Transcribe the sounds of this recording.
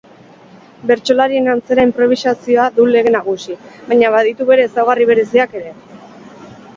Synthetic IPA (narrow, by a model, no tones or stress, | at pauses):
be̞ɾt͡ʃo̞laɾie̞nant͡se̞ɾaimpɾo̞β̞isasioaðule̞ɣe̞naɣ̞usiβajɲaβaðit̪uβe̞ɾe̞ːsawɣariβ̞e̞ɾe̞siake̞ɾe̞